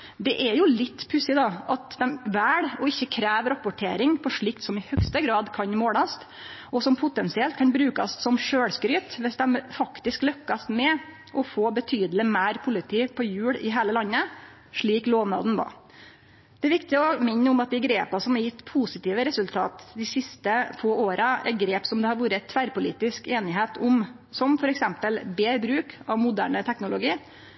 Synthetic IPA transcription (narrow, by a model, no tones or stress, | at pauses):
d̪ɛʔɛjʊlɪt̪ːpʰʉsɪd̪ɑʔɑt̪d̪ɛmʋæːɽɔɪçːəkʰɾæːʋɾɑpʊʈʰḛːɾɪŋpʰɔʂɭɪkt̪sɔmɪhœkst̪əɡɾɑːd̪kʰɑnmoːɽɑst̪ | ɔsɔmpʰʊt̪ɛnsɪɛlt̪̚kʰɑnbɾʉːkɑ̰ssɔmʂøːɽskɾyːt̪ʋɛsd̪ɛmfɑkt̪ɪsklœkːɑst̪mɛ | ʔɔfoːbət̪ʰyːd̪lɪmæːɾpʰʊlɪt̪ʰiːpʰɔjʉːɽɪɦæːləlɑnːə | ʂɭiːkloːʋnɑ̰ːd̪n̩ʋɑ̰ː | d̪̥ɛæʋɪkt̪ɪɔmɪnːəʊmɑt̪̚d̪ɛɡɾeːpɑsɔmɑɾjɪt̪ːpʰusɪt̪iːʋəɾɛsʉlt̪ʰɑ̰ːt̪d̪ɪsɪst̪əfoːoːɾɑɛ̰ɡɾeːpsɔmd̪ɛhɑɾʋuːɾəɛt̪ʰʋæːɾpʊlḭːt̪ɪskeːnɪɦeːt̪ʰʊm | sɔmfɔɾɛksɛmpəlbeːbɾʉːkɑʋmʊd̪æ̰ːɳət̪ʰɛknʊlʊɡiː